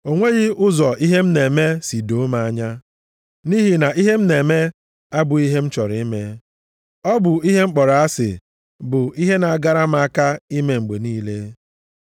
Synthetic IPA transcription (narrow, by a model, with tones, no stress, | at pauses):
o˨ŋʷe˦ɣɪ˦ʊ˦zɔ˨i˦ɦe˦m̩˦ne˨me˦si˨do˨˦ma˨a˦ɲa˦ | ni˦ɦi˨na˨i˦ɦe˦m̩˦ne˨me˦ | a˦bʊ˨i˦ɦe˦m̩˦t͡ʃɔ˨ɾi˨i˦me˦ | ɔ˦bʊ˨i˦ɦe˦ŋ͡m̩˦k͡pɔ˨ɾa˨a˦sɪ̰˨ | bʊ˨i˦ɦe˦na˨a˨ɡa˦ɾa˦m˦a˦ka˦i˦me˨ŋ͡m̩˨ɡ͡be˨niː˦le˦